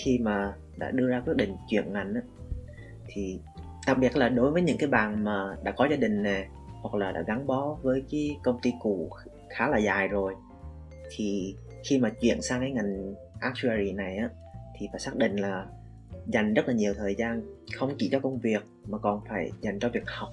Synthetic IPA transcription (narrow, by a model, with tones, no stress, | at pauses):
xi˧maː˨˩ | ɗa̰ː˧˥ɗɨ˧əzaː˧kwi˦˥ɗḭ̈˧˨ŋ̟t͡ɕwḭ˧˨ənŋa˨˩jŋ̟ʔaː˨˦ | t̪ʰi˨˩ | ɗ̪a˨˩k̚ɓi˨˩ət̚laː˨˩ɗo˨˦jvəː˨˦jɲɨ̰˧˥ŋkaː˨˦jɓaː˨˩nmaː˨˩ɗa̰ː˧˥kɔ˨˦zaː˧ɗï˨˩ŋ̟ne˨˩ | hwa˨˩k̚laː˨˩ɗa̰ː˧˥ɣa˨˦ŋɓɔ˨˦vəː˨˦jkiː˨˦kə˧wŋ͡mt̪i˧ku˧˩ | xaː˨˦laː˨˩zaː˨˩jzo˨˩j | t̪ʰi˨˩ | xi˧maː˨˩t͡ɕwḭ˧˨ənsaː˧ŋkaː˨˦jŋa˨˩jŋ̟ | ʔaː˦˥k̚t͡ɕu˧a˧zi˨˩na˨˩jʔaː˨˦ | t̪ʰi˨˩faː˧˥jsaː˦˥k̚ɗḭ˧˨ŋ̟laː˨˩ | za˨˩jŋ̟zə˦˥t̚laː˨˩ɲi˨˩əwt̪ʰəː˨˩jzaː˧nxə˧wŋ͡mt͡ɕḭ˧˩t͡ɕɔ˧˦kə˧wŋ͡mvi˨˩ək̚maː˨˩kɔ˨˩nfaː˧˩jza˨˩jŋ̟t͡ɕɔ˧vi˨˩ək̚ha˨˩wk͡p̚